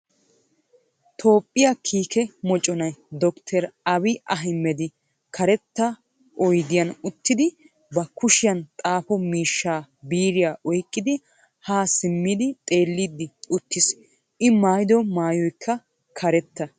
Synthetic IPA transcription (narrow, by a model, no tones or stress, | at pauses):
t̪ʰo̞ːpʼːɪjakʰiːkɛmɔt͡ʃʼɔnɐjd̪ɔkt̪ʰɛɾɐbɪʔɐɦɪmːɛd̪ɪ | kʰɐɾɛt̪ːɐ | ʔɔjɡ̪ɪjɐnʊt̪ːɪd̪ɪ | bɐkʊʃɪjɐnt̪ʼaːfɔmiːʃːaːbiːɾɪjaːʔɔjkʼːɪd̪ɪ | haːsɪmːɪd̪ɪt̪ʼe̞ːlːid̪ɪʊt̪ːɪs | ʔɪmaːjd̪ɔmaːjɔjkʰːɐ | kʰɐɾɛt̪ːɐ